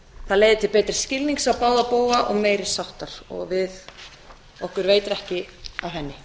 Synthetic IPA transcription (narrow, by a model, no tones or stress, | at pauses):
θaðlejðɪt̪ʰɪlpɛːt̪ɾɪ̥scɪlniŋksaðpaːwðapoːwaʔɔɣmeːjɾɪ̥sawht̪aɾ̥ɔ̰ɣvɪð | ɔhkʏɾveːjt̪ɪɾɛhcɪawɦɛnːɪ